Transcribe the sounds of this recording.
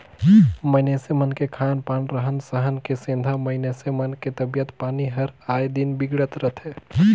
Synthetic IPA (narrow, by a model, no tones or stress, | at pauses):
məɪnesemənkekʰanpaːnɾəɦənsəɦənkesĩnd̪ʱaməɪnesemənket̪əbijət̪paːniɦəɾajd̪inbiɡɽət̪ɾət̪ʰe